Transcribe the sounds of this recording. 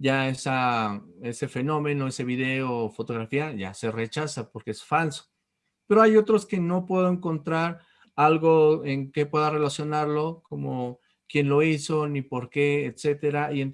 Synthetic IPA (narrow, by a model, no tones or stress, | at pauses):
ɟ͡ʝae̞sa | e̞se̞fe̞nõ̞mẽ̞noe̞se̞βiðe̞ofo̞t̪o̞ɣɾafiaʝa̰se̞re̞t͡ʃasapo̞ɾkeesfalso̥ | pe̞ɾo̞ajo̞t̪ɾoske̞no̞pwe̞ðoeŋko̞nt̪ɾaɾ | alɣoe̞ŋke̞pwe̞ðare̞lasjo̞naɾlokomo | kje̞nlo̞iso̞nipo̞ɾke̞ːt̪se̞t̪e̞ɾaʔien